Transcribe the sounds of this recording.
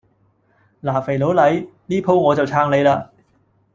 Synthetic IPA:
laː˨˩fe˨˩jlo˨˥wlɐ˨˥jniː˥pʰo˥wŋɔː˨˧t͡sɐ˨wt͡sʰaː˧ŋle˨˧jlaː˧

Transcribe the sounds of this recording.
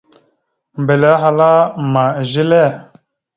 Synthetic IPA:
mbe˨lɛ˦ɦa˨la˦ma˨ʒi˦lɛ˦˨

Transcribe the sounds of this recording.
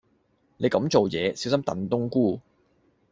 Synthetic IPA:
ne˨˧kɐ˨˥mt͡ʃo˨wjɛː˨˧si˨˥wsɐ˥mt̪ɐ̰˨˥nt̪ʊ˥ŋkuː˥˩

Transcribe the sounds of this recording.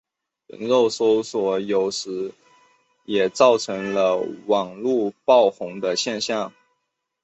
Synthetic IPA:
ɻə̰˧˥nɻo˥˩ʊso˥ʊswɔ˨˩jo˨˩ʊʂɻ̩˧˥ | jɛ˨˩t͡sɑ˥˩ʊʈ͡ʂʰɤ˧˥ŋlə˧wɑ˨˩ŋlu˥˧pɑ˥˩ʊxʊ˧˥ŋd̪ə˧ɕjɛ˥˧nɕjɑ˥˩ŋ

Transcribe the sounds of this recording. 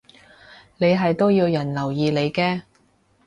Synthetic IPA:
ne˨˧jɦɐ˨jt̪o˥wjiː˧wjɐ˨˩nlɐ˨˩wjiː˨˧le˨˧jkɛː˧

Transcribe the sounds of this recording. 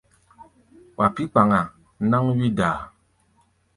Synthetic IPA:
wa˨pi˦k͡pa˨ŋa˨˦ | na˦ŋɥi˦daː˨

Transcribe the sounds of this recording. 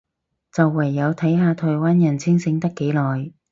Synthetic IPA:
t͡sɐ˨wːɐ˨˩jːɐ˨˧wt̪ʰɐ˨˥jɦaː˨˧t̪ʰɔː˨˩jwaː˥njɐ˨˩nt͡sʰɪ˥ŋsɪ˨˧˥ŋt̪ɐ˥kːe˨˥jlɔː˨˩j

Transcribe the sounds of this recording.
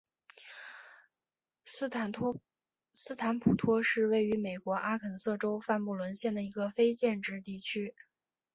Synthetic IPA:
sɹ̩˥˩t̪ʰa˧˥npʰu˨˩t̪ʰwɔ˥ʂɻ̩˥˧we˥˩ɪy˧˥me˨˩ɪkwɔ˧˥ʔa˥kʰə˨˩nsɤ˥˩ʈ͡ʂo˥ʊfa˥˧nmu˥˩lwə˧˥nɕjɛ˥˩nd̪ə˩i˧˥ɡə˧fe˥ɪt͡ɕjɛ˥˧nʈ͡ʂɻ̩˥˧t̪i˥˩t͡ɕʰy˥

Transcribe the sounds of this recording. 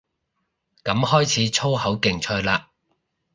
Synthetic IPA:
kɐ˨˥mhɔː˥jt͡sʰiː˨˥t͡ʃʰo˥whɐ˨˥wkɪ˨˩ŋt͡ʃʰœː˧jlaː˧

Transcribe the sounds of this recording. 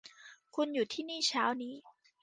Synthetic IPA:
kʰu˧njuː˨˩t̪ʰiː˥˩niː˥˩t͡ɕʰaː˦˥wniː˦˥

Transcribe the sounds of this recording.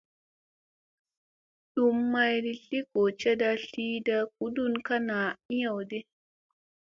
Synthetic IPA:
ɗu˦mːa˦jdi˦ɬi˦ko˨t͡ʃɛ˦da˦ɬiː˦da˦k̚u˨du˦˨nka˦na˨i˦ja˨wdɛ˦

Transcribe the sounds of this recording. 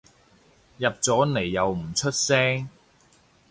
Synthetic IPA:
jɐ˨p̚t͡sɔː˨˥ne˨˩jːɐ˨˧wm̩˨˩t͡ʃʰɵ˥t̚sɛː˥ŋ

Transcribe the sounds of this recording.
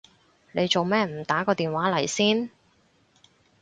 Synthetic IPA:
ne˨˧jt͡so˨wmɛː˥m̩˨˩t̪aː˨˥kɔː˧t̪iː˨nwaː˨˥lɐ˨˩jsiː˥n

